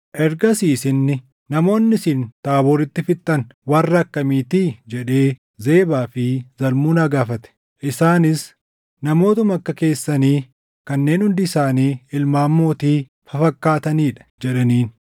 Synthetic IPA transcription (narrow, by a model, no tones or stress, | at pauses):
ʔɛɾɡɐsiːsɪnːɪ | nɐmo̞ːnːɪsiːnt̪aːbɔɾɪt̪ːɪfɪt̪ʼːɐnwɐrːɐkːɐmiːt̪iːd͡ʒɛᶑe̞ː | ze̞ːbaːfɪzɐlmuːnaːɡaːfɐt̪ɛ̥ | ʔɪsaːnɪs | nɐmo̞ːt̪ɐmɐkːɐke̞ːsːɐniː | kɐnːe̞ːnhʊnd̪ɪɪsaːniːɪlmaːmːo̞ːt̪iː | fɐfɐkːaːt̪ɐniːᶑɐ̥d͡ʒɛᶑɐniːn